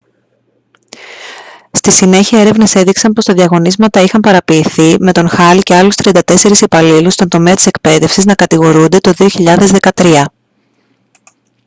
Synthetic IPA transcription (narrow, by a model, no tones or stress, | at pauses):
st̪isine̞çiɐe̞ɾe̞vne̞se̞ðiksɐmpo̞st̪ɐðiɐɣo̞nizmɐt̪ɐixɐmpɐɾɐpiːθime̞t̪o̞nxɐlice̞ɐlust̪ɾiɐnd̪ɐt̪e̞se̞ɾisipɐlilust̪o̞nd̪o̞me̞ɐt̪i̥se̞kpe̞ðe̞fsiznɐkɐt̪iɣo̞ɾund̪e̞t̪o̞ðio̞çiʎɐðe̞zðe̞kɐt̪ɾiɐ